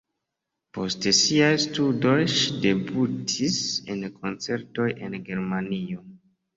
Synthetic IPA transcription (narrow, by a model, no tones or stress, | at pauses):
po̞stesiajstudo̞jʃide̞butʰisḛnkʰo̞nt͡se̞ɾto̞jʔe̞̰nɡe̞ɾmanio̞